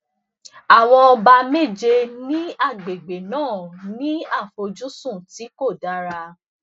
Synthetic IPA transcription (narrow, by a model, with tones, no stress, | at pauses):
a˦˨wɔ̃˧ɔ˧ba˧me˦˨d͡ʒe˧nĩ˦a˦˨ɡ͡be˨ɡ͡be˨nãː˦˨nĩ˦a˦˨fo˧d͡ʒu˦sũ˦˨ti˨˦ko˦˨da˨˦ɾa˧